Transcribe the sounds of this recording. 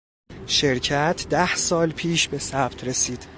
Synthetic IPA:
ʃe̞ɾcʰæt̪ʰd̪æhsɒːlpʰiːʃbe̞sæb̥t̪ʰɾe̞siːd̪̥

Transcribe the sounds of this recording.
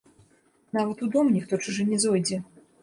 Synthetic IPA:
navɐt̪ud̪ɔmnʲixt̪ɔt͡ʂɨʐɨnʲɛzɔjd͡zʲɛ

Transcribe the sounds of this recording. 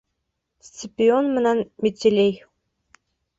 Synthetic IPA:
st͡sʲipʲionmɤ̆nɑnmʲet͡sʲelʲej

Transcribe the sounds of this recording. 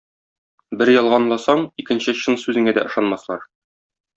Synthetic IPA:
bɘɾjɒlˠʁɑnlˠɑsɑɴikɘ̆nɕɘɕɤnsʉzɘ̆ŋæd̪æ̰ʔɤ̆ʃɑnmɑslˠɑɾ

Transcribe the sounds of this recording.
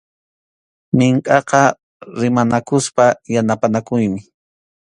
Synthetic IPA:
mɪŋkʼɑqɑ | ɾɪmanakʊspajanapanakʊjmɪ

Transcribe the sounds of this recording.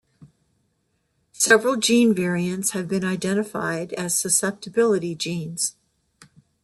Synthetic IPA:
sɛvɹl̩ˠd͡ʒĩnvɛɹiɨ̃ntshɨvbɨ̃naɪdɛ̃ɾ̃ɨfa̰ɪɾɨz̥sɨsɛp̚tɨbɪlˠəɾid͡ʒĩnz̥

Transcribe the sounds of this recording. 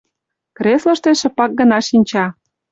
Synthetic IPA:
kɾeslɤ̆ʃt̪eʃĕpɑk̚ɡə̆nɑʃinʲt͡ɕɑ

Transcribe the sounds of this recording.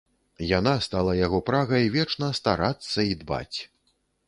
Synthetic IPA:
janast̪alˠɐjaɣɔpɾaɣɐjvʲɛt͡ʂnɐst̪aɾat̪sːɐid̪ba̰t͡sʲ

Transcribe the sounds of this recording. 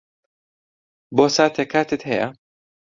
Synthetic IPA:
boːsaːt̪ʰekʰaːt̪et̪hɛjɐ̰

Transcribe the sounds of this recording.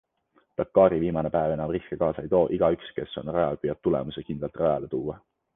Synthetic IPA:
t̪ɑkːɑːɾiviːmɑne̞pæeve̞nɑmrihkekɑːsɑejt̪o̞ːʔiɡ̥ɑykske̞sːo̞̰nrɑjɑlpyjɑb̪̚t̪ule̞̰musekind̪lɑlt̪rɑjɑlet̪uːwɑ

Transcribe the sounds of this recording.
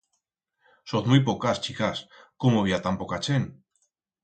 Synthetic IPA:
soθmujpokast͡ʃikaskumoβiat̪ampokat͡ʃen

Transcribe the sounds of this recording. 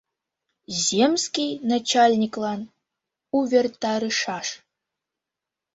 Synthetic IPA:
zʲemskʲijnat͡ɕalʲnʲiklˠɑn | uvʲert̪ɑɾɨʂɑʂ

